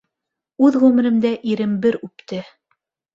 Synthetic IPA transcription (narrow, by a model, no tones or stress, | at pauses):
ʉðʁʉmɘ̆ɾɘ̆md̪æʔiɾɘmbɘɾʉp̚t̪ɘ